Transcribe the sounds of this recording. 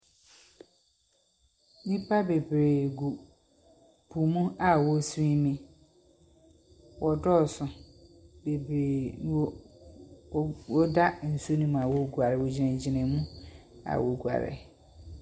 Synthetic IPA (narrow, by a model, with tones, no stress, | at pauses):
nĩ˦pʰa˦be˨bɾe˨ɡu˨ | bʰu˨mũ˦a˨wɔ˨sĩ˦mĩ˦ | wʔɔ˨dɔ˦˨sʊ˨ | be˨bɾe˨˦ | wɔ˦da˦n̩˨su˦nũ˦m̃˨a˨wo˨ɡu˨a˨ɾɪ˨wɔ˨d͡ʑɪ˨nɛ̃˨d͡ʑɪ˨nɪ̃˨mũ˦a̰˨wo˨ɡu˨a̰˨ɾɪ̰˨